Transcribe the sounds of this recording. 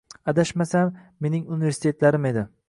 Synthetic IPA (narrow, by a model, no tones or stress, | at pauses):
ad̪aʃmasamːe̞nɪŋunɪveɾsɪ̥t̪ʰe̞t̪laɾɪme̞d̪ɪ